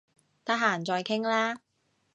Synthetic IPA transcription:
t̪ɐ˥k̚ɦaː˨˩nt͡sɔː˧jkʰɪ˥ŋlaː˥

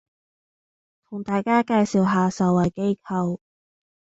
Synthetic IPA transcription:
t̪ʰʊ˨˩ŋt̪aː˨jkaː˥kaː˧jsiː˨wɦaː˨˧sɐ˨˩wɐ˨˩jke˥jkʰɐ˨˧w

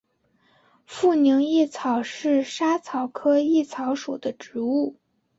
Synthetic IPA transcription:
fu˥˩ni˧˥ŋi˥˩t͡sʰɑ˨˩ʊʂɻ̩˥˩ʂa˥t͡sʰɑ˨˩ʊkʰɤ˥i˥˩t͡sʰɑ˧˥ʊʂu˨˩d̪ə˦ʈ͡ʂɻ̩˧˥u˥˩

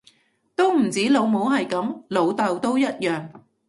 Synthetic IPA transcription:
t̪o˥wm̩˨˩t͡siː˨˥lo˨˧wmo˨˥wɦɐ˨jkɐ˨˥mlo˨˧wt̪ɐ˨˧wt̪o˥wjɐ˥t̚jœː˨ŋ

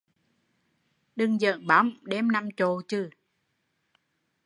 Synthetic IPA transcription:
ɗɨ˧˩ŋzə̰˧˨nɓa˨˦wŋ͡mɗɛ˧mna˧mt͡ɕo˧˨˩t͡ɕɨ˧˩

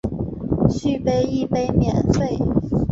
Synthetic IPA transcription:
ɕy˥˧pe˥˧ɪi˥˧pe˥ɪmjɛ̰˨˩nfe˥˩ɪ

